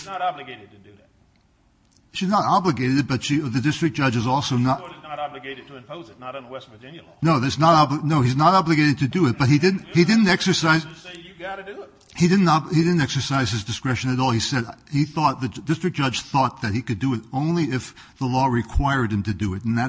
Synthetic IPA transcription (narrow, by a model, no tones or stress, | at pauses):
nəɾɑblɨɡeɪɾɨd̚tʰɨdɨæt̚ | ʃiznəɾɑblɨɡeɪɾɨd̚bʌtʃiðɨdɪstɹ̥ɨk̚d̥ʒ̥ʌd͡ʒɨzɔlˠsoʊnətnəɾɑblɨɡeɪɾɨd̚tʰɨɨ̃mpʰoʊzɨtⁿnəɾn̩ðəwɛstɨd͡ʒɪ̃nɨlɔnoʊðɨtsnəɾɑblənoʊiznəɾɑblɨɡeɪɾɨd̚tʰɨdɨɪt̚b̥ʌt̚hidɪdⁿn̩thidɪdⁿn̩tɛksə˞saɪzejɨɡɑɾɨdɨɪt | hidɪdⁿn̩tɑbhidɪdⁿn̩tɛksə˞saɪz̥ɨzdɨskɹɛʃɨ̃nɨɾɔlˠisɛɾhiθɔt̪̚ðɨdɪstɹ̥ɨk̚d̥ʒ̥ʌ̥d͡ʒ̥θɔt̪̚ðɨt̚hikɨdɨɨɾõʊ̃nliɪf | ðəlɔɹɨkʰw̥aɪə˞d̚ɨ̃mtɨdɨɪɾn̩ðɨt